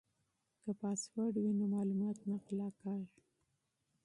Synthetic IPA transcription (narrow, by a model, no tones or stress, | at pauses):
kapɑswaɽwinomɑlumɑt̪naqlɑkɑɾ